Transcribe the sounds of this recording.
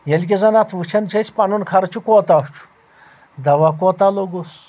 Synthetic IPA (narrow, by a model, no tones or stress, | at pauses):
jelʲk̬ʲezɐnat̪ʰʋɨt͡ʃʰɐnt͡ʃʰet͡sʰpanunkʰaɾt͡ʃʰukot̪aʂt͡ʃʰu̥ | d̪ɐʋakot̪aloɡus